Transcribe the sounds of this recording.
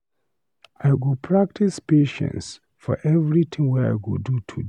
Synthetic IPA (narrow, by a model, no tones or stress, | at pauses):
aɪwulpʰɹak̚tʰispeʃɛ̰̃ns | fɔ̰ʔɛvɹit̪ʰĩŋwɛa̰ɪɡuldutʰud